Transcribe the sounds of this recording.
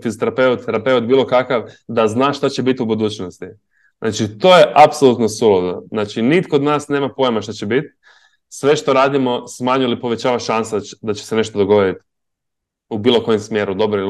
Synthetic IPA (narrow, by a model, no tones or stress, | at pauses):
fizot̪eɾape̞ut̪t̪eɾape̞ut̪̚biːlˠo̞kakaʋd̪aznaːʃt̪at͡ɕe̞bit̪ʲubud̪uːt͡ɕnost̪i | znʔa̰ːt͡ʃit̪o̞ːje̞ʔapsolut̪nosulod̪oznaːt͡ʃinit̪ko̞d̪naːsne̞ːmapo̞jmaʃt̪at͡ɕe̞bit̪ | sʋe̞ʃt̪o̞ɾaːd̪imo̞smaːɲujilipo̞ʋe̞t͡ɕaːʋaʃansad̪at͡ɕe̥sene̞ʃt̪od̪oɡo̞ʋoɾit̪ | ubiːlˠo̞ko̞jemsmje̞ːɾud̪o̞bɾoil